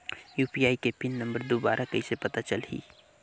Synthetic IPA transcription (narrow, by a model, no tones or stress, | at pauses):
juːpiaːikepɪnːə̃mbəɾd̪obaːɾʔakɐisepɐt̪at͡ʃəlɦḭː